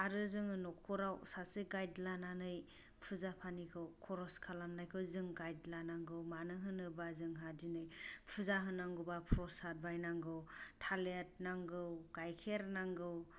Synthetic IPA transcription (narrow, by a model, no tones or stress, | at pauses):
aɾɯzɯŋɯnɔkʰuɾawsasɯɡajdlananɯj | pʰɯzapʰanikʰɯwkʰɔɾɔskʰalamnajkʰɯwzɯŋɡajdlanaŋɡɯwmanɯɦɯnɯbazɯŋɦadinɯjpʰuzaɦɯnːaŋɡɯbapʰɾɔsat̚bajnaŋɡɯwtʰalet̚naŋɡɯwɡajkʰeɾnaŋɡɯw